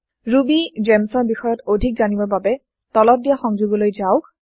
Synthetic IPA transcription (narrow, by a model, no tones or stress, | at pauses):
ɹubizɛmsɔɹbixɔjɔtodʱik̚zanibɔɹbabɛ | tɔlɔt̚dijaxɔŋzuɡɔlojzaʊk